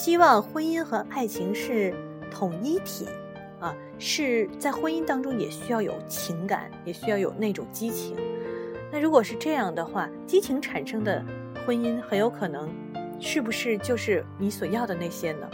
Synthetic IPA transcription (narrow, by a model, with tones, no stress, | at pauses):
ɕi˥wɑ˥˩˧ŋxwə˥ni˥nxɤ˧˥ʔa˥˩ɪt͡ɕʰi˧˥ŋʂɻ̩˥˩ | t̪ʰʊ˨˩ŋi˥t̪ʰḭ˨˩˦ | ɐ˧ | ʂɻ̩˥˩t͡sa˥˩ɪxwə˥ni˥nt̪ɑ˥ŋʈ͡ʂʊ˥ŋjɛ˨˩ɕy˥jɑ˥˩ʊjo̰˨˩ʊt͡ɕʰi˧˥ŋka̰˨˦njɛ˨˩ɕy˥jɑ˥˩ʊjo˨˩ʊne˥˩ɪʈ͡ʂʊ˨˩ŋt͡ɕi˥t͡ɕʰi˧˥ŋna˥˩ɻu˧˥kwɔ˨˩ʂɻ̩˥˧ʈ͡ʂɤ˥˧jɑ˥˩ŋd̪ə˩xwa˥˩ | t͡ɕi˥t͡ɕʰi˧˥ŋʈ͡ʂʰa˨˩nʂɤ˥ŋd̪ə̰˨ | xwə˥ni˥nxə˧˥njo˧˥kʰɤ˨˩nɤ˧˥ŋ | ʂɻ̩˥˩bu˩ʂɻ̩˥˧t͡ɕjo˥˧ʊʂɻ̩˥˩ni˧˥swɔ˨˩jɑ˥˩ʊd̪ə˩ne˥˩ɪɕjɛ˥nə̰˨